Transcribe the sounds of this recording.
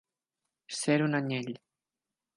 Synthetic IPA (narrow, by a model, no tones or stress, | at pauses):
seɾunaɲeʎʲ